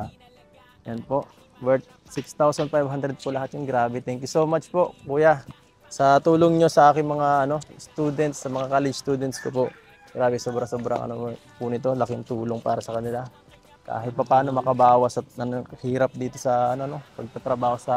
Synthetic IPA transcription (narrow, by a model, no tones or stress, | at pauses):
jɐnpo̞ʔ | wɛɹt̪̚ | sɪkst̪awsɐnfajbhand̪ɾɛd̪̚pʊlɐɦat̪jʊŋɡɾaːbɛt̪ɛŋkjusoːmat͡ʃpo̞ʔkuːja | sɐt̪uːloŋɲo̞sɐʔaːkɪŋmɐŋaʔɐno̞st̪uːd̪ɛnt̪sːɐmɐŋakaːlɛd͡ʒst̪uːd̪ɛnt̪skopo̞ʔ | ɡ̥ɾaːbɛsoːbɾɐŋsoːbɾɐ̰ŋʔɐ̰no | pʊnɪt̪o̞lɐkɪŋt̪uːloŋpa̰ːɾɐsɐkɐnɪla | ka̰ːɦɪt̪̚pɐpaːno̞mɐkɐbaːwɐsɐt̪̚ɐnɐhiːɾɐp̚d̪iːt̪o̞sɐɐnono̞pɐɡ̚t̪ɐt̪ɾɐbaːho̞sɐ